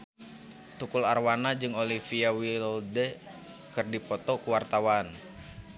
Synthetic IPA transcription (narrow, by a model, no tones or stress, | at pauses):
t̪ukularwanad͡ʒɨŋolifiawildɛ | kɨrdipɔt̪ɔkuwart̪awan